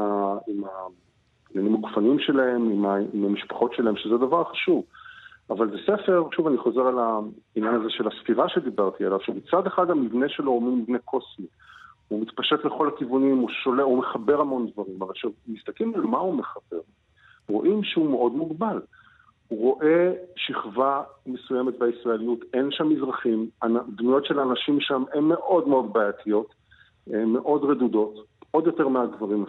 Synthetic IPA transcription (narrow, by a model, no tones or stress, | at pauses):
aima | nanimaku̥fanimʃe̞lae̞mimaimamiʃpḁχo̞tʃelahe̞mʃezed̪avaʁχaʃuvavalzesefe̞ʁʃuvaniχo̞ze̞ʁalainjanazeʃe̞lasfiʁaʃed̪ibaʁt̪ialav̥ʃemit͡sad̪eχadamivne̞ʃelo̞mimivnekʰo̞smi | umit̪paʃet̪le̞χo̞lakivunimuʃo̞leumeχabe̞ʁamo̞nd̪vaʁimavalʃemist̪akimalmaumeχabe̞̰ʁ | ʁo̞̰ʔimʃeumeʔo̞dmuɡbal | huʁo̞ʔe̞ʃiχvamesujemet̚baisʁaelijutenʃamːizʁaχimanadmujo̞tʃelaːnaʃimʃamʔe̞nːe̞ʔo̞dmeo̞dbajat̪ʰijo̞t | emːe̞ʔo̞dʁedudo̞to̞djo̞te̞ʁmeaɡvaʁima